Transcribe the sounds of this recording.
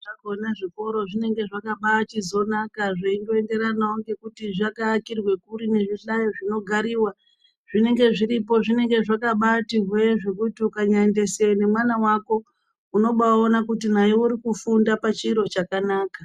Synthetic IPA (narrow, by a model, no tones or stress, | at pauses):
akonaʐiko̞ɾo̞ʐine̞ŋɡe̞ʐakaɓatizo̞nakaʐeindo̞e̞nde̞ɾanauŋɡe̞kutiʐakaːkirwe̞kuɾine̞ʐiɬajoʐino̞ɡʱaɾiːwa | ʐ̥ine̞ŋɡe̞ʐiɾipo̞ʐine̞ŋɡe̞ʐakaɓatiɦweeʐe̞kutiukaɲande̞sewne̞mwanawako̞ | uno̞ɓaonakutinaiwuɾikufundapat͡ʃiːɾo̞t͡ʃakanaːka